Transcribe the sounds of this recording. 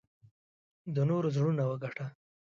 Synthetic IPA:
d̪ənoɾozɽunawəɡaʈa

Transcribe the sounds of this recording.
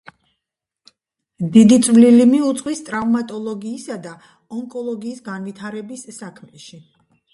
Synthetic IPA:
d̪id̪it̪sʼvlilimiut̪sʼqʼwist̪ʼɾavmat̪ʼɔlˠɔɡiːsad̪a | ɔŋkʼɔlˠɔɡiːsɡanvit̪ʰaɾɛbisːakʰmɛʃi

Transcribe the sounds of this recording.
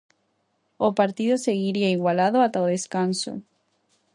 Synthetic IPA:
opaɾt̪iðoseɣiɾiaiɣwalaðoat̪aoðeskanso̰

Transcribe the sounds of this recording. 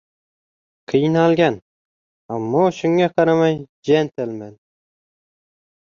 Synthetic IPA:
qʰɨjnɑlˠɡʲan | amːɒʃʊŋɡaqʰɑɾamaj | d͡ʒent̪ʰɪlmæn

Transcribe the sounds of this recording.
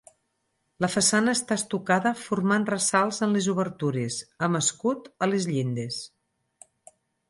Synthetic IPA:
ləfəsanəːst̪ast̪ukaðəfurmanrəsalˠzənlezuβəɾt̪uɾesəməskut̪əlezʎind̪es

